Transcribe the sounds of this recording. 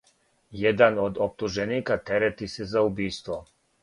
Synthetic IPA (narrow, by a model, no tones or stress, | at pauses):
jed̪anod̪op̚t̪uʒeniːkat̪eɾet̪isezaubiːst̪ʋo